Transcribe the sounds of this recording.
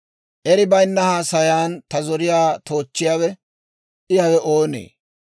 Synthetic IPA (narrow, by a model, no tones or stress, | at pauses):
ʔɛɾɪbɐjnːɐhaːsɐjaːnt̪ɐzɔɾɪjaːt̪o̞ːt͡ʃːɪjaːwɛ | ʔɪjɐwɛʔoːnḛː